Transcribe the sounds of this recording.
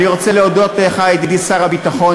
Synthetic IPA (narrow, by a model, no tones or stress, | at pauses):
niʁot͡seleodot̪eeχajed̪idisaʁhabit̪aχo̞